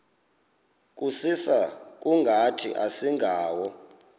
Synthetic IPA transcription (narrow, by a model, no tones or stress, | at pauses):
k̬ʼusisak̬ʼuŋɡʱatʰḭʔasiŋɡʱaːwɔ